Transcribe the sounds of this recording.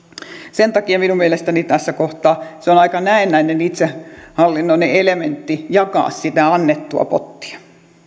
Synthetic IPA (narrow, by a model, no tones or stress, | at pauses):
sent̪ɑkiɑminummielest̪ænit̪æsːækoht̪ɑːseonɑikɑnæenːæinenit̪sehɑlːinːoineelement̪ːijɑkɑ̰ːssit̪æɑnːet̪ːuɑ̰po̰t̪ːi̥ɑ̥